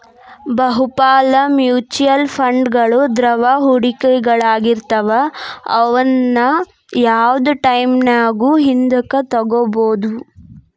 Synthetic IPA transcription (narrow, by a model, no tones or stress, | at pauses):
bɐɦupaːlɐmjuːt͡ʃujɐlpʰɐɳɖɡɐɭud̪ɾɐʋɐɦuɽikɛɡɐɭaːɡiɾt̪ɐʋɐɐ̰ʋɐnːɐ | jaːʋd̪uʈɐjmnaːɡuːɦind̪ɐkɐt̪ɐɡoboːd̪u